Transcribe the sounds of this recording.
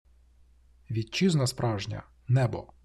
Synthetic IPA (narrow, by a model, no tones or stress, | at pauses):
ʋʲit̪̚t͡ʃiznɐspɾʔɑwʒnʲɐ̰ | nɛbɔ̰